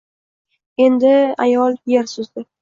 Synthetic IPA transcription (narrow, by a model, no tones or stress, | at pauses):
e̞nd̪ɪa̰jɒlˠjeɾsʊzd̪ɪ